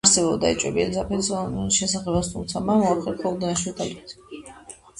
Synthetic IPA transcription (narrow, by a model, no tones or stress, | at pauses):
ɾsɛbɔbd̪ait͡ʃʼwɛ̰biɛlzapʰɛsʃɛsaχɛbast̪ʰumt̪sʰamamɔapχɛk̪ʰɔlˠd̪aaʃiut̪ʰʼalik̚t̪ʰ